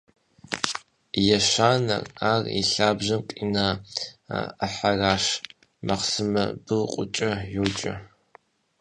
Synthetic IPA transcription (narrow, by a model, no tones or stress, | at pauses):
jɛʃaːnɐ̰raːrḭɬaːbʒɐmqʼḭnaː | aħaraːʃ | mɐqsɨmɐ̰bɨlqʷʼʊt͡ʃʼɐjuːt͡ʃʼɐ̰